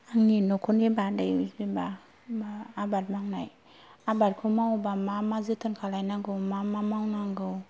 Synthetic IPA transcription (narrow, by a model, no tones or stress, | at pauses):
aŋinɔkʰunibadajuibaː | bat̚maŋnaj | abat̚kʰumawbamamazɯtʰɯnkʰalajnaɡɯwmamamawnaŋɡɯw